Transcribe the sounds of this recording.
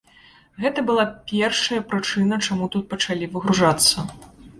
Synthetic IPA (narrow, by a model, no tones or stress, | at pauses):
ɣɛt̪ɐbɨlˠapʲɛrʂɐjɐpɾɨt͡ʂɨnɐt͡ʂamut̪ut̪̚pɐt͡ʂalʲivɨɣɾuʐat̪sːɐ